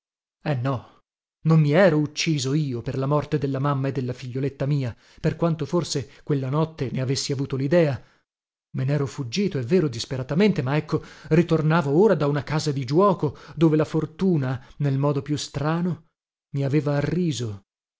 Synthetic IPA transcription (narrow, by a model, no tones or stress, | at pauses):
ɛnːɔ | nomːiɛːɾout͡ʃːiːzoiːoperlamɔrt̪ed̪elːamamːaed̪ːelːafiʎːolet̪ːamiːa | perkwant̪oforsekwelːanɔt̪ːeneavesːiavuːt̪olid̪ɛːa | menɛːɾofud͡ʒːiːt̪oɛvːeːɾod̪ispeɾat̪ament̪emaɛkːorit̪ornaːvooːɾad̪aunakaːzad̪id͡ʒwɔːkod̪oːvelafort̪uːnanelmɔːd̪opjust̪ɾaːno | miaveːvaːrːiːzo